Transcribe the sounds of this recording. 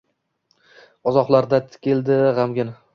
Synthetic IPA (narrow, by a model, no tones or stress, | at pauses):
ɒzɒqlˠaɾd̪at̪ʰɪ̥kʲʰelˠd̪ɪʁamɡʲɪn